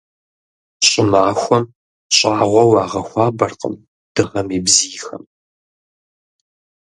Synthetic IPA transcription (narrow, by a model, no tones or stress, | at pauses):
ɕʼɪmaːxʷɔm | ɕʼaːʁʷɔwɑːʁɐxʷɑːbɐrqə̰m | d̥ɨʁɐmiːbziːxɐ̰m